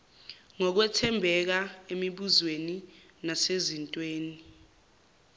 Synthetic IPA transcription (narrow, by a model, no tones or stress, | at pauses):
ŋɔk̬wɛtʰɛmbʱɛk̬aemiɓuzweni | nasezintʼweːni